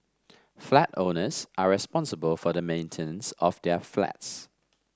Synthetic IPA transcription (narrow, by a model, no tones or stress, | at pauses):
flatoʊnəz̥ʔəɹɪspɔ̃nsəbəlˠfəðəmẽɪ̃ntʰɪnə̃nsəvðəfla̰ts